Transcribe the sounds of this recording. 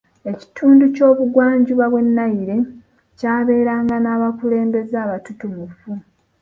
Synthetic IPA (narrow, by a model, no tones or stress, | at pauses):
e̞ci̥tʰuːnduco̞ːβuɡwaːɲɟuβaβwe̞nːajiɾe̞ | caːβe̞ːɾaːŋɡanaːβakule̞ːmbe̞zaːβatutumufu